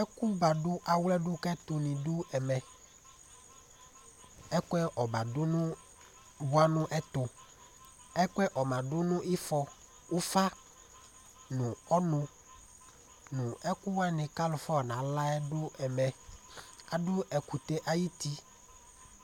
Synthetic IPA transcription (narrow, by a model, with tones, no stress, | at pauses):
ɛ˦ku˦ba˨dʊ˦ʔa˨wlɛ˦dʊ˦kɛ˦t̪ʊ˨nɪ̃˨dʊ˦ɛ˨mɛ˨ | ɛ˦kʊ˦ɛ˦ʔɔ˨ba˨dʊ˦nʊ̃˦ | bʊ˦a˦nʊ̃˦ʔɛ˦t̪ʊ˨ | ɛ˦kʷɛ˦ʔɔ˨mã˨dʊ˦nʊ̃˦ʔɪ˦fɔ˦ | ʊ˦fa˦ | nʊ̃˨ɔ˦nʊ̃˦ | nʊ̃˨ɛ˦kʊ˦wa˦nɪ̃˨ka˦lʊ˨fɔ˦˨nã˨la˦ɛ˦dʊ˦ɛ˨mɛ˨ | a˨dʊ˦ɛ˨ku˨t̪e˦ʔa˦ji˦t̪i˦